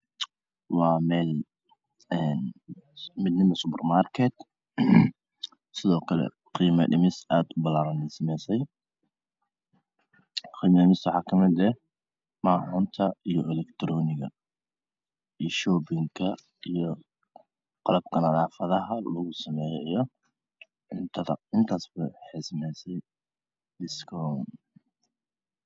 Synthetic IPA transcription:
wɑːmɛːl | ɛn | mɪd̪nɪmɐsʊpɛrmaːrkʰɛt̪ | sɪðɔːkʰɐlɛ̰ | qiːmɐʔɪmɪsaːd̪ʊbɐlaːɾɐnɛsɐmɛjsɛj | qiːmɐɪmɪswɑħɑːkʰɐmɪd̪ɛ | maːħʊːnt̪ʰɐijɔʔɛlɛkt̪ʰɾɔːnɪɣɐ̰ | iʃɔːbɪŋkʰɐ | ijɔ | qɑlɐb̚kʰɐnɐðaːfɐðɐɦɐlɐɣʊsɐmɛːjɛjɔ | ɪnt̪ʰɐɐɪnt̪ʰaːsbɐħɪsmɛjsɛj | ɪskʰɔːn

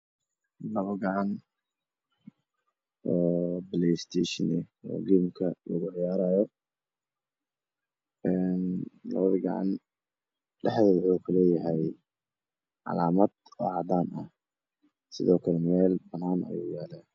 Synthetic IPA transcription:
lɐβɐɡɐʕɑn | ɔːblɛst̪ʰɛːʃɪnɛɔ̰ːɡiːmkʰɐlɔɣʊʕjaːɾaːjɔ | ɛːnlɐ̰βɐðɐɡɑ̰ʕɑ̰n | ɖɛħðɛːðʊwʊkʰʊlɛːjɐɦɛj | ʕɑ̰laːmɐd̪ɔːʕɑd̪aːnɐ̰h | sɪðɔːkʰɐlɛmɛːlbɐnːaːnʔɐ̰jṵːjɛːlaː

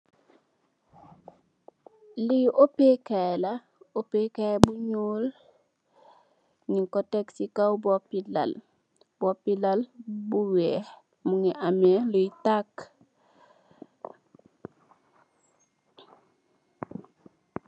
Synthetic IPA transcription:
lijʔopekajla | opekajbuɲuːl | niŋkoteksikawbopila̰l | bopilalbuwe | muŋiʔameluitak

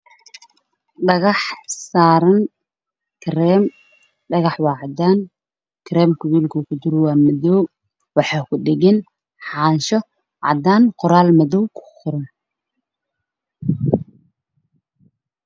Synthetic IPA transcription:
ɖɐɣɑħsaːɾɐn | kʰɾɛːm | ɖɐɣɑħwɑːʕɑd̪aːn | kʰɾɛːmkʰʊwiːlkʰʊkʰʊd̪ʊrwɑːmɐðɔw | wɑħɑːkʰʊɖɪɣɛn | ħɑːnʃɔ | ʕɑ̰d̪aːnqʊɾaːlmɐðɔwkʰʊ̥qʊɾɐn

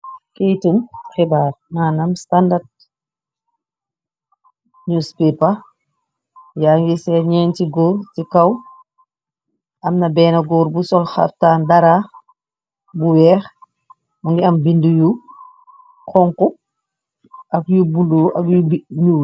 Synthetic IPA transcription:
kejtumxɛbaːɾmaːnɐmstandad̚ | ɲuːspipɐ | jaːŋɡisɛɲɛːntiɡuːɾtikɐw | ʔɐmnɐbɛːnɐɡɔɾbusɔlxa̰f̚taːndaɾa | buwɛːx | muŋɡiɐmbinduju | kɔŋku | ʔɐkjubunduʔɐ̰kjubiɲuː

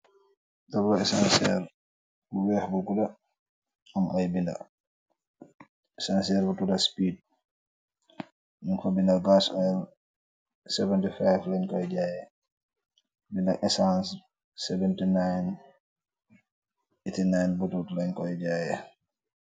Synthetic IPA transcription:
tabɾɔɛsansɛɾ | uwɛhbukuda | amʔajbinda̰ | ɛsans̬ɛɾbutudaspid̚ | munfabindalɡasɔɛl | sɛvɛntifajvlankɔjd͡ʒajɛ | bindaʔɛsans | sɛvɛntinajn | itinajnbututlaɲkɔjd͡ʒajɛ

